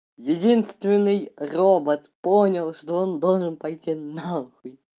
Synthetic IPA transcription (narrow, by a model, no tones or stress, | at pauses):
jɪdʲinst̪vʲɪnːɨjrobət̪ponʲɪlˠʂt̪oond̪olˠʐɨnpɐjtʲinaxʊj